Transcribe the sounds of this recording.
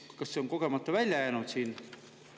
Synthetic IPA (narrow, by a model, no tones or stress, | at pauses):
kɑsːeo̞ŋko̞ɡ̥e̞mɑt̪ːɑvælʲjɑjæːnud̪̥siːn